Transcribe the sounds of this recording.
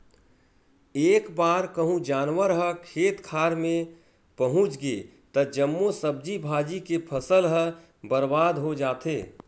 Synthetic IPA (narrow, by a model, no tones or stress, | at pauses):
eːkbaːɾkəɦũd͡ʒaːnwəɾɦəkʰeːt̪kʰaːɾmẽ | pəɦʊ̃t͡ʃɡe | t̪əd͡ʒəmːosəb̚d͡ʒibʱaːd͡ʒikepʰəsəlɦə | bəɾbaːd̪ɦod͡ʒaːt̪eː